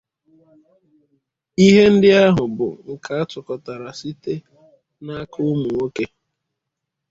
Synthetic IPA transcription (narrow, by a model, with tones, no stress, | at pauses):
i˦ɦe˦n̩˦dɪ˦a˦ɦʊ˨bʊ̰˨ŋ̩˨kʰa˦a˦tʊ˨kɔ˨ta˨ɾa˨si˦te˦ | na˦kʊ˦mu˨ŋo˦ke˦